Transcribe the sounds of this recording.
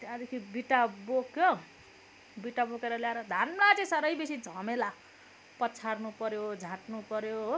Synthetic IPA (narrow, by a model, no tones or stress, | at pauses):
t̪ad̪ekʰibiʈabokjo | biʈabokeɾʌljaeɾʌd̪ʱanmat͡sẽsʌɾʌjbesid͡zʱʌmela | pʌt͡sʰarnupʌɾjod͡zʱãʈnupʌɾjo